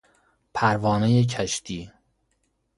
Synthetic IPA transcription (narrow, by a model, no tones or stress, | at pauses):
pʰæɾvɒːnejecʰæʃt̪ʰiː